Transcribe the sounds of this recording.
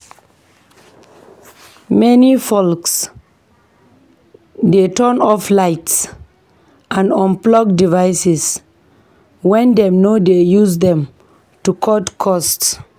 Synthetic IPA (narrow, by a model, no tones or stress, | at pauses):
mɛnifɔlks | detɔnɔflaɪts | ʔãnɔ̃nplɔɡ̚divaɪsɪs | wɛ̃ndɛ̃mnodejuzdɛ̃m | tukʰɔdkʰɔsts